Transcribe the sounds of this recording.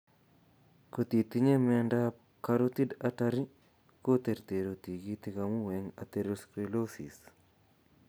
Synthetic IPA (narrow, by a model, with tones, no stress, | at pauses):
ko˨t̪i˨t̪i˦ɲe˦mɛnda | kaɾot̪i˦dataɾi˦ | ko˦t̪e˨ɾt̪e˨ɾo˨t̪i˨ɡi˦t̪ikamu˦weŋa̰˨t̪eɾoskɾilo˦sḭ˨s